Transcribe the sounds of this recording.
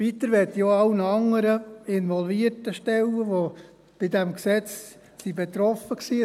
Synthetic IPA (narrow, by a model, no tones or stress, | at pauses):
vit̪əɾʋɛtjoɑlnəɑŋːəɾəɪnʋɔlviəɾtəʃtɛlːəʋo | b̥ɪdɛmksɛt͡s | sibet̪ɾɔfəksiː